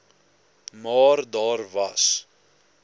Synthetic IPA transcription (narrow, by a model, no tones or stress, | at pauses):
mɑːrdɑːrvɐs